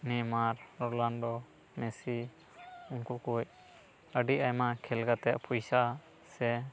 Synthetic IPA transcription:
nɛmaɾɾɔland̪ɔ | mɛsi | uŋkukuj | əɖiʔajmakʰɛlɡat̪ɛʔpʰujsa | sɛ

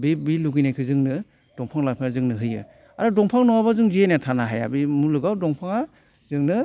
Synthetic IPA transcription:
bibiluɡɯjnajkʰɯzɯŋnɯ | d̥ɔŋpʰaŋlapʰanazɯŋnɯɦɯjɯ̰ | aɾɯdɔŋpʰaŋnɔwabazɯŋziejnatʰanaɦaja̰bimulɯɡawdɔŋpʰaŋa | zɯŋnɯ

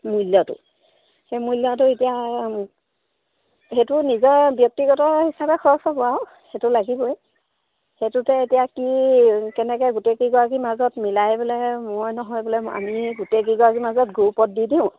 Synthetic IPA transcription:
mujljɔtʊ̰ | xejmujljɔtʊetija | xetʊnizɔɹbjɔk̚tiɡɔtɔɹhisabɛxʰɔɹɔsɔkʊaw | xetʊlaɡibɔj | xetʊtɛetijakikɛnɛkɛɡutekiɡɔak̬imazɔtmilajbʊlɛmojnɔɦɔjbʊlɛa̰miɡutek̬iɡɔakimazɔtɡuupɔt̚didiʊ̃

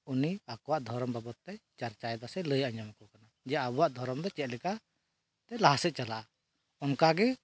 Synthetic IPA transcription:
uniakɔwaʔd̪ʱɔɾɔmbabɔt̪ːɛt͡ʃaɾt͡ʃaɛd̪asɛləjaɲɔmkɔkana | d͡ʒɛaabuwaʔd̪ʱɔɾɔmd̪ɔt͡ʃɛt̪̚ˀlɛka | t̪ɛlaɦasɛʔ̪̚t͡ʃalaʔa | ɔnkaɡɛ

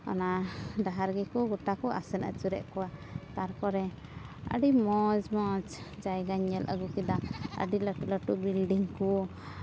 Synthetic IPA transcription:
a̰nad̪aɦaɾɡɛkuɡuʈakɔʔa̰sɛnə̰t͡ʃuɾɛʔkɔwat̪aɾkɔɾɛ | ə̰ɖimɔd͡ʒmɔt͡ʃd͡ʒajɡaɲːɛlʔə̰ɡukid̪aə̰ɖiləʈuʔləʈuʔbilɖiŋku

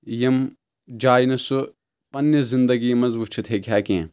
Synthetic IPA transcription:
jɐm | d͡ʒaːinɐsu | pɐnːiszind̪ɐɡiːmɐzbut͡ʃʰut̪ʰekʰʲaːkiḛ̃

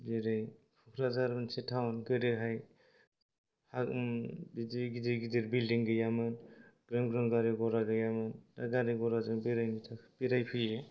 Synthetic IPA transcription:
beɾaj | pʰukʰɾazaɾbɯnsetʰawnɡɯɾɯɦaj | habidiɡidiɡidiɾbildiŋɡɯjamɯnɡɾamɡɾɔŋɡaɾiɡɔɾaɡɯjamɯndaɡaɾiɡɔɾazɯŋbiɾajmitʰakb̥iɾajpʰɯe

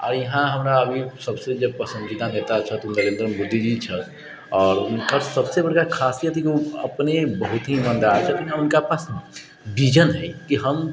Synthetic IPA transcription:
ɔ̰ːɾjɐɦãɦɐmɾaɐbʱisɐbsed͡ʒɐb̚pəsə̃nd͡ʒid̪anet̪at͡ʃʰɐt̪onəɾẽːnd̪ɾəmoːd̪ːid͡ʒit͡ʃʰɐ | ɔːɾʊnkasɐbsebɐɽkakʰaːsijət̪ikoɐ̰pnebɐɦʊt̪ɦimə̃nd̪aat͡ʃʰɐt̪oãʊnkapas | ʋʱid͡ʒənɦɛkiɦɐm

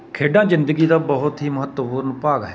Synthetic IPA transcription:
kʰeːɖãːzɪnd̪əɡiːd̪aːbəɦʊt̪ɦiːməɦət̪ːpuːɾənpaːɡɛː

